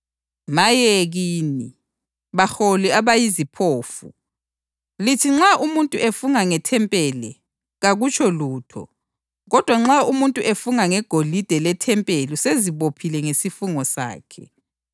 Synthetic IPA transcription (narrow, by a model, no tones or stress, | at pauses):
majeɣiːni | βaxoliaβajizipʰoːfṵ | litʰiŋ͡ǁaʔumuntʼuʔefuŋaŋɛtʰɛmpʼɛlɛ | ɣaɣut͡ʃʰɔluːtʰɔ̰ | ɣɔd̥ʱwaŋ͡ǁaumuntʼuʔefuŋaŋɛɡ̥ʱolid̥ʱɛlɛtʰɛmpʼelɔseziβopʰilɛŋesifuŋɔsa̰ːkʰɛ̰